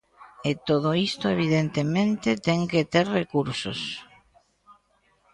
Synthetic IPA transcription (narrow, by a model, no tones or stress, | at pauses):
et̪oð̞oist̪oeβ̞iðent̪emẽnt̪et̪ɛŋket̪eɾrekuɾso̰s